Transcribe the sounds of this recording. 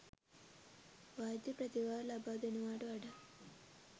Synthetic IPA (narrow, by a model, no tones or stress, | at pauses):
ʋaːd̪jɐpɾɐt̪iʋaːɾlɐbaːd̪enuʋaːɽuɐɽɐ